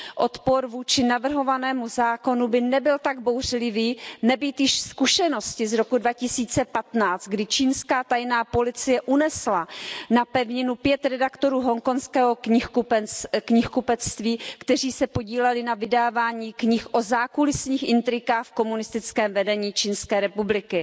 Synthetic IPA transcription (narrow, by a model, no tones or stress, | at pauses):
ʔo̞t̪poɾvuːt͡ʃɪnavr̩ɦo̞vanɛːmuzaːko̞nubɪnɛbɪlt̪aɡ̚bowr̝lɪviːnɛbiːt̪jɪʃskuʃɛno̞scɪzɾo̞kudvacɪsiːt͡sɛpat̪naːt͡st̪̚ɡdɪt͡ʃiːnskaːt̪ajnaːpo̞lɪt͡sɪjɛʔunɛslanapɛvɲɪnupjɛt̪ɾɛdakt̪o̞ɾuːɦo̞ŋko̞nskɛːɦo̞kɲɪxkupɛkɲɪxkupɛt͡st̪viːkt̪ɛr̝iːsɛpo̞ɟiːlɛlɪnavɪdaːvaːɲiːkɲɪxʔo̞zaːkulɪsɲiːxʔɪnt̪ɾɪkaːxfko̞munɪst̪ɪt͡skɛːmvɛdɛɲiːt͡ʃiːnskɛːɾɛpublɪkɪ